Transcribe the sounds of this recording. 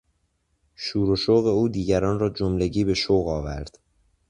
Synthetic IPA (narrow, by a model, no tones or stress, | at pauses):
ʃuːɾoʃoːɣe̞uːd̪iːɟæɾɒːnrɒːd͡ʒomle̞ɟiːbe̞ʃoːɣɒːvæ̰ɾd̪̥